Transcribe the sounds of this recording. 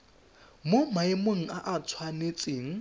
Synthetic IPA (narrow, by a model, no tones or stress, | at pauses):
mʊmaɪmoŋ̩aʔat͡sʰwanet͡sʼɪːŋ̩